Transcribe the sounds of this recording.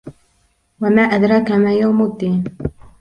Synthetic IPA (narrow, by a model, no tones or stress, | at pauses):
wamaːʔad̪ɾˤɑkamaːjawmʊd̪ːiːn